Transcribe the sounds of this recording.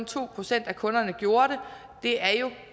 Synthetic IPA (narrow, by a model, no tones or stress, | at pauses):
nt͡sʰo̝̰ːpʰʁo̝sen̰d̥ækʰɔ̽nɐnəɡ̥jo̝ːɐɾ̥e̝ | d̥e̝æɐjo̝